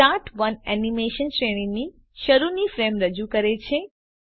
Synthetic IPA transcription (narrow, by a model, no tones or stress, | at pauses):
aʈʰʋənɛnimeʃənʃɾeɽĩni | ʃəɾunifɾemɾəd͡ʒukəɾet͡ʃʰe